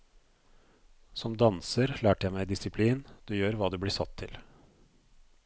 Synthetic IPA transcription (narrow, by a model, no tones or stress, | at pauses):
sɔmd̪ɑnsəɾlæːʈəjæɪmæɪd̪ɪsɪpʰliːnd̪ɛjøːɾʋɑːd̪ɛblɪːsɑ̰t̪ʰːɪl